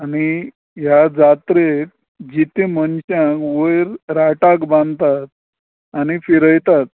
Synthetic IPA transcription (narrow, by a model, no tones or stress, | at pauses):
ani | ɦjad͡zat̪ɾek̚ | d͡ʑit̪emənɕãkʋəjɾɾaʈakbãnd̪t̪at̪̚ | anifiɾəjt̪at̪̚